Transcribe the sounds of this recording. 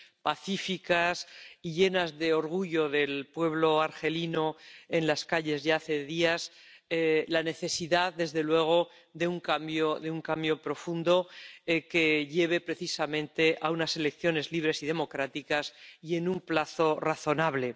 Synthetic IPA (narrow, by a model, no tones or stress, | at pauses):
paθifikasiʎe̞nazðe̞o̞ɾɣ̞uʝo̞ðe̞lpwe̞βlo̞aɾxe̞lino̞e̞nlaskaʎe̞zʝaaθe̞ðias | elane̞θe̞siðaððe̞zðe̞lwe̞ɣ̞o̞ | ðeuŋkambjoðeuŋkambjo̞pɾo̞fund̪o̞eke̞ʎe̞β̞e̞pɾe̞θisamẽ̞nt̪e̞ʔaunase̞le̞kθjo̞ne̞zliβɾe̞siðe̞mo̞kɾat̪ikasie̞numplaθo̞raθo̞naβ̞le̞